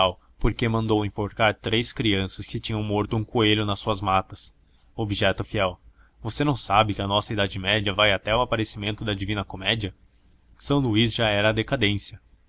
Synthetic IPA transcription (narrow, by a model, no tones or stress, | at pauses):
aw | poɾkemɐ̃nd̪owẽfoɾkaɾt̪ɾeskɾiɐ̃sɐskɪt͡ʃĩɲɐ̃w̃moɾt̪ʊũkueʎʊnɐsuɐzmat̪ɐs | obiʒɛt̪ʊfiɛw | vosenɐ̃w̃sabɪkɪɐnɔsɐid̪ad͡ʒɪmɛd͡ʒiɐvajat̪ɛʊapaɾesimẽnt̪ʊd̪ɐd͡ʒivĩnɐkomɛd͡ʒiɐ | sɐ̃w̃luizʒaɛɾɐːd̪ekad̪ẽsjɐ